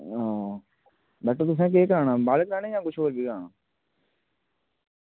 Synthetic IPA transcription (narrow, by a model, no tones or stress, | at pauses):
ãː | bɛːʈət̪ʊs̬ẽːk̬eːkɾaːɳãːbaːlkɾaːɽeːjãːɡʊt͡ʃʰboːlbʱiːkɾaːɳaː